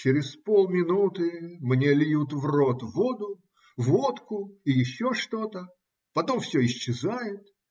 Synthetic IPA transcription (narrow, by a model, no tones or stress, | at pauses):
t͡ɕɪɾʲɪspolˠmʲɪnut̪ɨmnʲe̞lʲjut̪vro̞t̪vod̪ʊ | vot̪kʊɪjɪɕːo̞ʂt̪o̞t̪ə | pɐt̪o̞mfsʲɵɪɕt͡ɕːɪzajɪt̪̚